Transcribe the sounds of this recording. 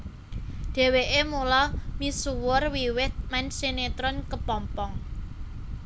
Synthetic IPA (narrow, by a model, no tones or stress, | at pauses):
ɖ̪̥ɛ̤weʔemulɔmisuwʊrwiwɪt̪̚mansenet̪ɾʊnkəpɔmpɔŋ